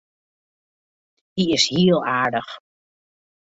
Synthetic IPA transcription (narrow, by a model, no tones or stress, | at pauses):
diɪsɦiːəlˠaːɹdəχ